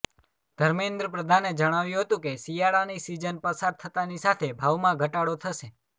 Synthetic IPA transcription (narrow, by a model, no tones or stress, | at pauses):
d̪̥ʱəɾmend̪ɾəpɾəd̪ʱaned͡ʒəɽ̃aʋjũɦət̪ũkesijaɭanisid͡ʒənpəsaɾ̚t̪ʰət̪anisat̪ʰebʱaʋmãɡʱəʈaɽot̪ʰəʃe